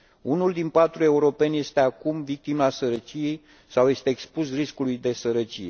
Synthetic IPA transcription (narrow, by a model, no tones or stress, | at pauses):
unuld̪inpat̪ɾue̞uɾo̞pe̞nʲje̞st̪e̞akumvik̚t̪imaaːsəɾət͡ʃijej | sawje̞st̪eːkspusriskulujd̪e̞səɾət͡ʃije̞